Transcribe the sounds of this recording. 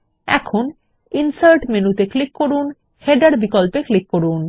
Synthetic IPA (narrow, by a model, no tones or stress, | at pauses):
ɛ̰kʰon | insaɾʈmenut̪eklikːoɾun | heɖaɽbikɔlpeklikːoɽun